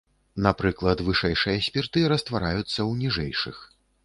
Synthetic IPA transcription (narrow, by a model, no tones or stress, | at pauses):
napɾɨklˠɐt̪vɨʂɛjʂɨjɐsʲpʲirt̪ɨɾɐst̪vaɾajut̪sːɐwnʲiʐɛ̰jʂɨ̰x